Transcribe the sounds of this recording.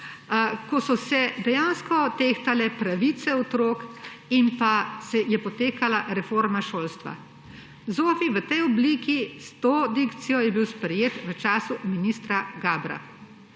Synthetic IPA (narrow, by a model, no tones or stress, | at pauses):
kɔsɔsɛd̪ɛjanskɔt̪eːxt̪alɛpɾaʋit̪sɛɔt̪ɾoːkinpasɛjɛpɔt̪eːkalaɾɛfoɾmaʃoːlst̪ʋa̰ | zoːfiʋət̪ɛjɔbliːkist̪oːd̪ikt̪sijɔjɛbiwspɾɛjeːt̪ʋət͡ʃaːsuminist̪ɾaɡaːbɾa̰